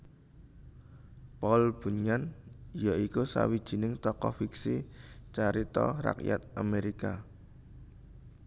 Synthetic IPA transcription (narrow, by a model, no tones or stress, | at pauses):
pɔlb̥ṳɲanjaikusa̰wid̥ʒ̥i̤nɪŋt̪ɔkɔfiksit͡ʃaɾit̪ɔra̰kja̰t̪̚ʔameɾika